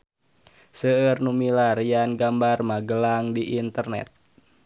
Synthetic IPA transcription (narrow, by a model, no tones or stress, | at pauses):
səərnumilaɾijanɡambarmaɡəlaŋdiʔint̪ərnɛ̰t̪̚